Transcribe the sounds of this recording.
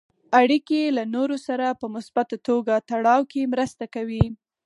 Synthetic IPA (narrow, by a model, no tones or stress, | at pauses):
aɽikelanoɾosaɾapəmʊsbat̪at̪oɡat̪aɽɑwkemɾəst̪akawi